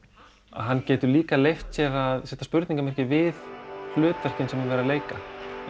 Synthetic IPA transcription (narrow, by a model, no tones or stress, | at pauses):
a̰ðɦanːcɛːt̪ʏɾliːkalejft̪sjɛːɣaðsɛht̪aspʏɾt̪niŋkamɛr̥cɪvɪðflʏːt̪vɛr̥cɪnsɛmvɪnvɛːɾaleːjka